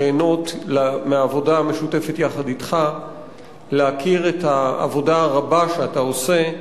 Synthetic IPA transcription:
eːno̞tlameaːvo̞daːme̞ʃute̞fetjaχaditχa | leakʰiʁetaa̰vo̞daaʁabaʃeatao̞se̞

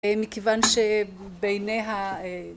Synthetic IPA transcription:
emikevanʃe | bejnejɦa

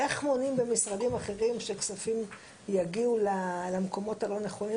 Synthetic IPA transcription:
eχmo̞nimbemisʁadimaχe̞ʁimʃeksafim | jaɡiulalamko̞mo̞thalo̞neχo̞ni

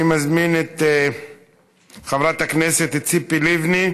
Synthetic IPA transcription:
imazminet̪ | χavɾat̪akneset̪et͡sipilivni

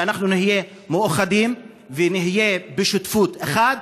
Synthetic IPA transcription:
anaχnunihije̞ | muaχadim | veniɦije̞beʃutfut̪eχad̪̚

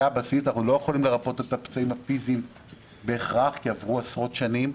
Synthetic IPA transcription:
abasisanaχnulo̞jeχolimle̞ʁapo̞t̪e̞t̪apt͡saimafizim | be̞ːχʁaχkiavʁuasʁo̞t̪ʃanim

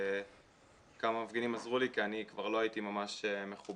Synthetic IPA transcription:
kamamafɡenimazʁulikianikvaʁlo̞aitimamaʃeme̞χub

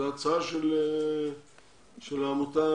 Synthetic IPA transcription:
at͡saʃele | ʃelamut̪a

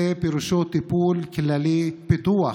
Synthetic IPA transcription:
epiɾuʃot̪ipuːlkʰilalipit̪uwa

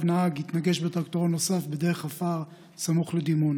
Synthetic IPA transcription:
vnaaɡit̪naɡe̞ʃbet̪ʁakt̪oʁonːo̞safbed̪e̞ʁeχafaʁ | samuχled̪imun

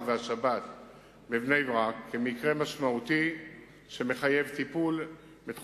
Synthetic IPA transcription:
veaʃabat̪ | bevne̞jvʁakːemikʁe̞maʃmaut̪i | ʃeme̞χaje̞vt̪ipul | bet̪

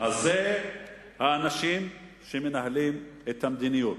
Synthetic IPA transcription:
aze | haːnaʃim | ʃeme̞naɦalimet̪hamd̪inijot

